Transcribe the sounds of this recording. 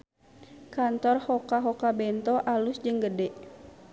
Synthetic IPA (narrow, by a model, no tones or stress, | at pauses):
kant̪ɔrhɔkaɦɔkabɛnt̪ɔʔalusd͡ʒɨŋɡədɛʔ